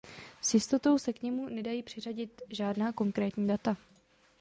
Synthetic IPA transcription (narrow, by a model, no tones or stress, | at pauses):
sjɪst̪o̞t̪o̞wsɛkɲɛmunɛdajiːpr̝̥ɪr̝aɟɪt̪ʒaːdnaːko̞ŋkɾɛːt̪ɲiːdat̪a